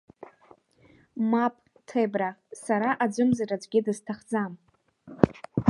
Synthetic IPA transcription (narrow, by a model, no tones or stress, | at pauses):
mapʼ | tʰebrasaɾaʔad͡ʒʷʊmzaɾad͡zʷɡʲɪdɨztʰaχd͡zam